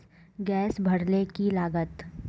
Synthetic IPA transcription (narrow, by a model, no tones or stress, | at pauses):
ɡɛːsbʱɐɽlekilaːɡət̪